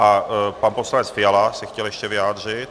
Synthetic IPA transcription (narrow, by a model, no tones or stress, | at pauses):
ʔapanposlanɛt͡sfɪjalasɛxcɛljɛʃcɛvɪjaːd̪r̝ɪt̪